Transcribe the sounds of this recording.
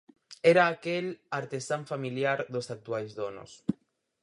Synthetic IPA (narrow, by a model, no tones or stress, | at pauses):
ɛɾaːkelaɾt̪esaɱfamiljaɾðosak̚t̪uajzðono̰s